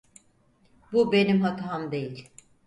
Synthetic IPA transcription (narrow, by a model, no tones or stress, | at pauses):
bube̞nimɦat̪ʰamd̪e̞jilʲ